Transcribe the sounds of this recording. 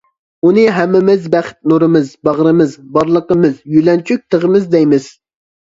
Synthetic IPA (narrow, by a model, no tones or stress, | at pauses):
unɨɦɛmːɪmɪzbæχt̪̚nuɾɨmɨzbɑʁɾɨmɨzbɑɾlˠəqəmɨzjylɛnt͡ʃʰyk̚ʲt̪ʰəʁəmɨzd̪ɛjmɪz̥